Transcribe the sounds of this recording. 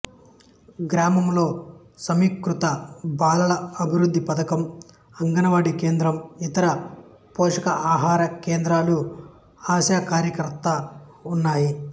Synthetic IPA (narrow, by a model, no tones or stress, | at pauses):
ɡɾaːmɐmlo̞ː | sɐmikɾut̪ɐbaːlɐlɐɐbʱiɾud̪ʱːipɐd̪ɐkɐm | ɐŋɡɐnɐʋaːɽike̞ːnd̪ɾɐmit̪ɐɾɐ | poːʂɐkɐʔaːɦaːɾɐkeːnd̪ɾaːlu | aːʃaːkaːɾjɐkɐɾt̪ːɐunːaːji